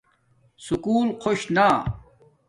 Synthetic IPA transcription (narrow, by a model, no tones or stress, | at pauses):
sukuːlqʰoɕna